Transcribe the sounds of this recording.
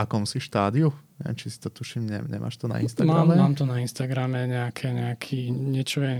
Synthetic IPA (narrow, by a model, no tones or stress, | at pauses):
akɔmsifʃt̪aːd̪iuɲɛɛ̰mt͡ʃisi̥t̪ɔt̪uʃiːmɲɛ̰ɲɛ̰mʔa̰ːʃt̪ɔna̰inst̪amaɾaːmɛmaːmt̪ɔnainst̪aɡɾamɛɲɛakʰɛɲɛakʰiːɲɛt͡ʃɔjɛ